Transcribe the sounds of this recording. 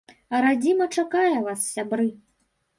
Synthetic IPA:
ɐɾad͡zʲimɐt͡ʂakajɛvasːʲabɾɨ

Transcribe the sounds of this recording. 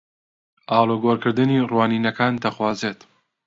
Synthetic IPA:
aːlˠoɡoːɾkɨɾd̪ɨniːrwaːniːnɐkʰaːnd̪ɐxwaːzeːt̪

